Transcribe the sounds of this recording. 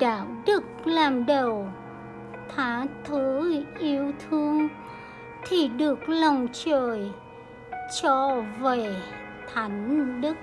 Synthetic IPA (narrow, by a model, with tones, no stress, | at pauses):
ɗa̰ː˧˨wɗɨ˦˩k̚laː˨˩mɗə˨˩w | t̪ʰaː˨˦t̪ʰə˨˦ʔi˨˧˦əwt̪ʰɨ˧əŋ | t̪ʰi˨˩ɗɨ˨˩ək̚lə˨˩wŋ͡mt͡ɕəː˨˩j | t͡ɕɔ˧ve˧˩ | t̪ʰa˨˦jŋ̟ɗɨ˦˥k̚